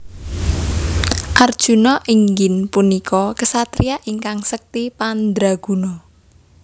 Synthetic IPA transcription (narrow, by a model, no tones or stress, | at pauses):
ʔard̥ʒ̥ṳnɔʔiŋɡɪnpunikʰɔkəsat̪ɾijaʔiŋkaŋsək̚t̪ipand̪ɾaɡ̥ṳnɔ